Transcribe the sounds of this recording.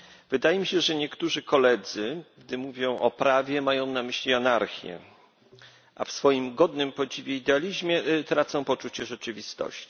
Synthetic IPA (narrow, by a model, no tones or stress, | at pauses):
v̥ɘd̪ajɛmʲiɕɛʐɛɲɛkt̪uʐɘkɔlɛd̪zɘɡd̪ɘmuvʲjɔ̃w̃ʔɔpɾavʲjɛmajɔ̃w̃namɘɕlʲianaɾxʲjɛ̰ | ʔa̰fsfɔjimɡɔd̪nɘmpɔd͡ʑivʲjɛid̪ɛalʲiʑmʲjɛt̪ɾat̪sɔ̃w̃pɔt͡ʂut͡ɕɛʐɛt͡ʂɘvʲist̪ɔ̰ɕt͡ɕi̥